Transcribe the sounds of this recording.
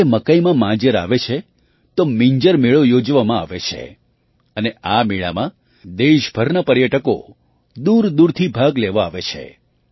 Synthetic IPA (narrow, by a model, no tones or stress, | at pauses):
eməkəjmãmãd͡ʒəɾa̰ʋet͡ʃʰe | t̪omiɲd͡ʒəɾmeɭojod͡ʒʋamãa̰ʋet͡ʃʰḛ | əneamiɭa̰mã | d̪eʃbʱəɾnapəɾjəʈəko̰ | d̪uɾd̪uɾt̪ʰibʱaɡleʋaaʋet͡ʃʰḛ